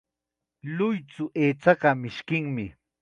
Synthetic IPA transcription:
lʊjt͡sʊʔeːt͡sɑɢɑmɪʃkɪŋmɪ

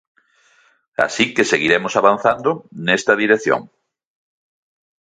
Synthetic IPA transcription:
a̰sikeseɣiɾemosaβan̟θand̪ʊnest̪ɐðiɾeθjo̰ŋ

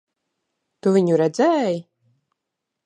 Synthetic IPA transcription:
t̪uvʲiɲuɾɛd̪zɛːj

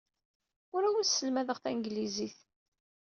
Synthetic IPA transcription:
ʊɾæwisːəlmæðəʁθænɡliziθ

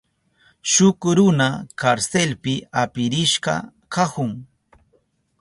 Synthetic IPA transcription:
ʃʊkɾʊnakaɾselpɪapɪɾɪʃɢɑ̰ | kahʊŋ

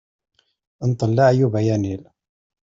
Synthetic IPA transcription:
ənt̪ˤəlːaʕjubæjænil

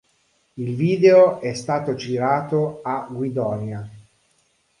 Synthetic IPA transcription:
ilviːd̪eoɛst̪aːt̪od͡ʒiɾaːt̪oaɡwid̪ɔnja

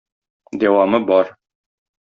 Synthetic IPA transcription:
d̪æwɑmɤbɒɾ

